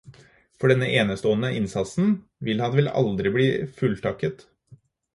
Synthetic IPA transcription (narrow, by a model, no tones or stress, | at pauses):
fɔɖɛnːəʔeːnəst̪oːənəʔɪnsɑt̪sn̩ | ʋɪlhɑnʋɛlɑ̰ld̪ɾɪbliːfʉlt̪ʰɑkət̪